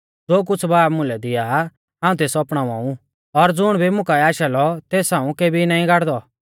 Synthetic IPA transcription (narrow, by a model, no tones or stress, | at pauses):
d͡zoːk̬ʊt͡sʰbaːpmʊ̃lɛd̪ɪja | ɦãːũt̪̬eːsɔpɽ̃ãːʋã̰ːũ | ɔɾd͡zʊɽ̃bʱimʊ̃kaɛaːʃɛlɔt̪eːsãːũkeːbʱinaːĩɡaɽd̪ɔ